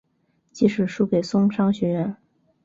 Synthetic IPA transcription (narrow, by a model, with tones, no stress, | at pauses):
t͡ɕi˧˥ʂɻ̩˨˩ʂu˥ke˨˩ɪsʊ˥ŋʂɑ˥ŋɕɥɛ˧˥ɥɛ˧˥n